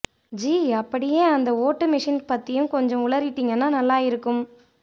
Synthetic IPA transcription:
d͡ʒiːɐpːɐɽɪjeːɐnd̪ɐoːʈːɯmɪʂɪnpɐt̪ːɪjɯ̃mkɔɲd͡ʒɔ̃ʊɭɐɾɪʈːiːŋɡɐnːaːnɐlːaːɪɾɯkːɯm

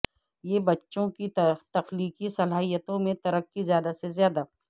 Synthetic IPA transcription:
jebɐtːʃõkit̪ɐxliːkisɐlaːɦijət̪õmẽt̪ɐɾəkːizjaːd̪asezjaːd̪a

